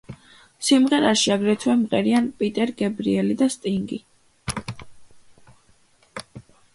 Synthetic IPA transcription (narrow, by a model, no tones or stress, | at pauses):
simʁɛɾaʃiaɡɾɛt̪ʰwɛmʁɛɾianpʼit̪ʼɛɾɡɛbɾiɛlid̪ast̪ʼiŋɡi